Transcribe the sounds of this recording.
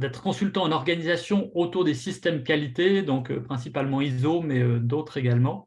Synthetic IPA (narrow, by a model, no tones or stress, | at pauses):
d̪ɛt̪χə̥kɔ̃sylt̪ɑ̃ɑnɔʁɡanizasjɔ̃ot̪uʁd̪esist̪ɛmd̪əkalit̪ed̪ɔ̃kø̰pχɛ̃sipalmɑ̃izomɛød̪ot̪χeɡalmɑ̃